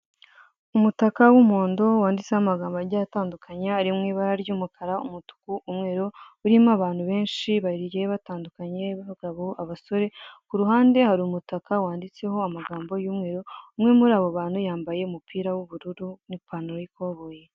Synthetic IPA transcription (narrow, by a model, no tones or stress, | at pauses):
umutakawumo̞ːndo̞waːndit͡sehamaɡaːmbaɾɟataːndukʰaɲaːɾimŋiːβaɾaɾjuːmukʰaɾaumutu̥kuʔumŋe̞ːɾu | uɾimaβaːn̥huβe̞ːnʃiβaɟejeβataːndukaɲe̞βaɡaβoaβaso̞ɾe̞kuɾuɦaːnde̞haɾiumutakawaːndit͡se̞ho̞amaɡaːmbo̞juːmŋe̞ːɾuumŋe̞muɾaːβoβaːn̥hujaːmbaje̞umupʰiːɾawuβuɾuɾunipanoɾojiko̞βoːje̞